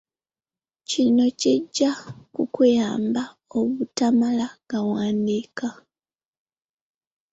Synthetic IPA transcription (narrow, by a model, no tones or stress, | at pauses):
cino̞ceɟːakukujaːmba | oβutamalaɡ̥awaːndika